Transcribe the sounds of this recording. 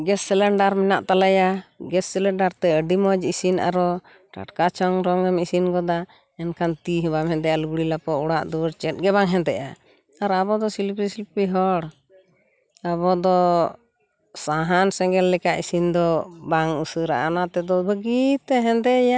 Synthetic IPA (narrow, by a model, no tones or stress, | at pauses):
ɡɛsːɛlɛɳɖaɾmɛnaʔt̪alajaɡɛsːɛlɛɳɖaɾt̪ɛəɖimɔd͡ʒisina̰ɾɔ | ʈa̰ʈkat͡ʃʰɔŋɾɔŋɛmisinɡɔd̪a | ɛnkʰant̪iɦɛbamɦɛnt̪ɛʔjaluɡɽilapɔɔɽaʔd̪uɾt͡ʃɛt̪̚ˀɡɛβaŋɦɛnt̪ɛʔa̰ | aɾabɔd̪ɔsilpisilpiɦɔɽ | aβɔd̪ɔ | saɦansɛŋɡɛlːɛkaʔisind̪ɔbaŋusəɾaʔanat̪ɛd̪ɔbəɡit̪ɛɦɛnt̪ɛja